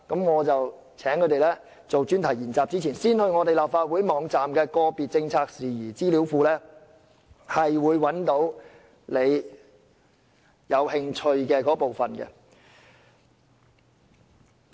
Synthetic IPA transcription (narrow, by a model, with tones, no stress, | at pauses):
kɐ˨˥mŋɔː˨˧t͡sɐ˨w | t͡sʰɛː˨˥ŋkʰɵ˨˧˥t̪e˨jlɛː˥ | t͡so˨wt͡ʃyː˥nt̪ʰɐ˨˩jiː˨˩nt͡saː˨p̚t͡siː˥t͡sʰiː˨˩nsiː˥nhɵ˧ɥŋɔː˨˧t̪e˨jlaː˨p̚faː˧t̚wuː˨˥jmɔː˨˧ŋt͡saː˨mkɛː˧kɔː˧piː˨t̚t͡sɪ˧ŋt͡sʰaː˧k̚siː˨˩jiː˨˩t͡siː˥liː˨˥wfuː˧lɛː˥ | hɐ˨jwuː˨˧jwɐ˨˥nt̪o˨˥w | le˨˧j | jɐ˨˧whɪ˧ŋt͡ʃʰɵ˧ɥkɛː˧kɔː˨˥po˨wfɐ˨˩nkɛ̰˧